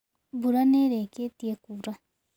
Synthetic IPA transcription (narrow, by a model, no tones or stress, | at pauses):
buɾaneɾɛket̪iekuɾa